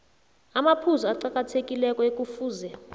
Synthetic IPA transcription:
amapʰuzɔaǃakʼatʰekʼilɛkʼɔekʼufuːzɛ

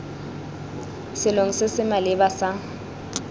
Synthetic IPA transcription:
sɪloŋ̩sɪsɪmalɪbasa

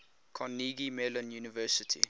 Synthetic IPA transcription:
kʰɔ̃nːiːɡimɛlə̃njuːnivɜːˑsɪtʰḭ

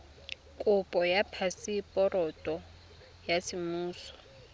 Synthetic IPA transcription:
kʼʊpʼɔjapʰasipʼɔrɔtʼɔ | jasɪmuːsɔ̥

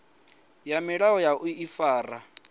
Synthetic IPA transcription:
jamɪɺaɔjaʔuifaːra

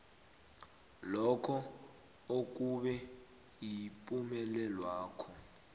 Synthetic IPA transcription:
lɔkʰɔ | ok̬ʼuɓɛ | jipʼumɛlɛlwaːkʰɔ

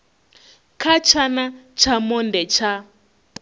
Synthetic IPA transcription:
kʰat͡ʃʰanat͡ʃʰamɔndɛt͡ʃʰa

